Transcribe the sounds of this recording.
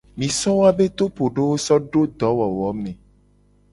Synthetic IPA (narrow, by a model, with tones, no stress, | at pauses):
mĩ˨sɔ̃˦wa˦be˦t̪o˦po˨ɖe˦wo˦sɔ˦ɖo˦d̪ɔ˨˦wɔ˨wɔ˨˦mẽ˨